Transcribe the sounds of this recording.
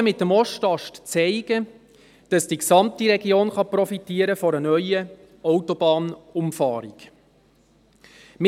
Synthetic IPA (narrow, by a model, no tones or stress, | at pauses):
əmɪtːəmɔʃtɑʃtt͡sɛɪɡ̥ə | d̥ɑsd̥iksɑmtiɾɛɡioːnχɑprɔfitiːəɾəfɔɾənœʏə | ɔwtɔb̥ɑːnʊmfɑːɾik | mɪ